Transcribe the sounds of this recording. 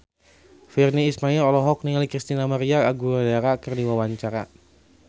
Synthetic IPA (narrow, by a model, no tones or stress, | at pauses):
firniːsmailɔlɔɦɔk̚niŋalikɾist̪inamaɾiaaɡuadaɾakərdiwawaɲt͡ʃaɾa̰